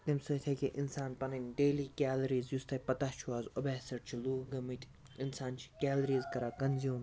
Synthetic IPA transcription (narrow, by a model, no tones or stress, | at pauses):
t̪imsɐt̪ʰɐkʲiʔinsaːnpɐnɐnɖeːlikʲaːlɐɾiːzjust̪ɐpɐt̪at͡ʃʰuaːzobɛːsɐɽt͡ʃʰiluːɡɐmit̪ʰʲ | insaːnt͡ʃʰi̥kʲaːlɐɾiːzkɐɾaːkɐnzjuːm